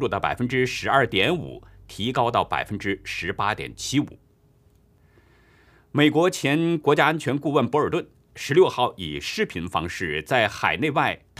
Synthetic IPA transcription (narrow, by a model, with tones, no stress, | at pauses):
ɔ˥˩d̪ə˩pa̰˨˩ɪfə˥nʈ͡ʂɻ̩˥ʂɻ̩˧˥ɐ˞˥˩t̪jɛ˧˥nṵ˨˩˦t̪ʰi˧˥kɑ˥ʊt̪ɑ˥˩ʊpa̰˨˩ɪfə˥nʈ͡ʂɻ̩˥ʂɻ̩˧˥pa˥t̪jɛ̰˨˩nt͡ɕʰi˥ṵ˨˩˦ | me˨˩ɪkwɔ˧˥t͡ɕʰjɛ˧˥nkwɔ˧˥t͡ɕja˥ə˥nt͡ɕʰɥɛ˧˥nku˥˧wə˥˩npɔ˧˥ə˞˨˩t̪wə˥˩n | ʂɻ̩˧˥ljo˥˧ʊxɑ˥˩ʊḭ˨˩ʂɻ̩˥pʰi˧˥nfɑ̰˥ŋʂɻ̩˥˩t͡sa˥˩ɪxa˨˩ɪne˥˧ɪwa˥˩ɪt̪ʰ